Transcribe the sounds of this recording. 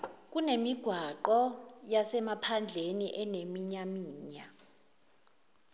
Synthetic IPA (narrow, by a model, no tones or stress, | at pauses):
k̬ʼunemiɡ̥ʱwaǃɔjasɛmapʰand͡ɮʱeniʔɛnemiɲamiːɲa